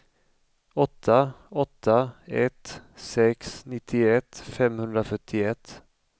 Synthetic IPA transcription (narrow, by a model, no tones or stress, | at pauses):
ɔt̪ʰːaɔt̪ʰːaɛt̪sɛksnɪt̪ʰːɪɛt̪ːfɛmhɵnd̪ɾafœʈʰːɪɛt̪ː